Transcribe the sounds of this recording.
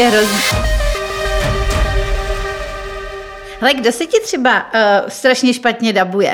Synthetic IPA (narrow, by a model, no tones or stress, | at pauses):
ɛɦɾozɲ | lɛɡdosɛcɪt̪r̝̥ɛbast̪ɾaʃɲɛʃpat̪ɲɛdabujɛ̰